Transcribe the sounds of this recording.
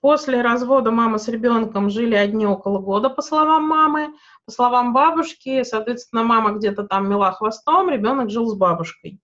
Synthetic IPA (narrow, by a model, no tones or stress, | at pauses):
po̞sʲlʲɪɾɐzvo̞d̪əmamɨsɾʲɪbʲo̞nkəmʐɨlʲɪɐdʲnʲio̞kəlˠəɡo̞d̪əpəslˠɐvamːamɨ | pəslˠɐvambabʊʂkʲɪsɐːt̪vʲest̪vʲɪnːəmaməɡdʲet̪ət̪amːʲɪlˠaxvɐst̪o̞mɾʲɪbʲo̞nəkʐɨlˠzbabʊʂkəj